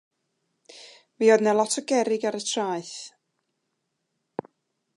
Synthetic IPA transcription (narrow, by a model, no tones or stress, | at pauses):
viːɔdnɛlˠɔtʰɔɡɛɾɪɡaɾətʰraːɨθ